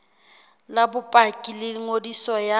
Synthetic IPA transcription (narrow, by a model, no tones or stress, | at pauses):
labʊpʼakʼilɪŋodisɔja